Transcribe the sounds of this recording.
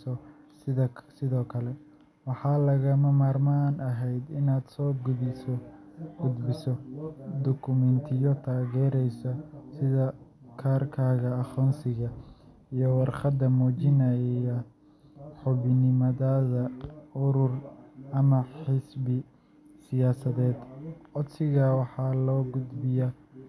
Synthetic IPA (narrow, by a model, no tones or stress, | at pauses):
ɔ | ɪɐsɪðɔːkʰɐlɛ | wɑħɑːlɐɣɐmɐmaːrmanɐɦɛjd̪ɪnaːd̪sɔːɡʊðɪsɔɡ̥ʊd̪bɪsɔd̪ɔkʰʊmɛnt̪ʰɪjɔt̪ʰaːɣɛːɾɛjsɔsɪðɐkʰaːrkʰaːɣɐːχɔːnsɪɣɐ | ijɔwɑrqɑd̪ɐmɔːt͡ʃɪnɐjɛjɐ | ħʊβɪnɪmɐðaðɐʊɾʊrʔɐmɐħɪsbɪ | sɪjaːsɐðɛːd̪ʔɔd̪sɪɣɐwɑħɑːlɔːɡʊd̪bɪja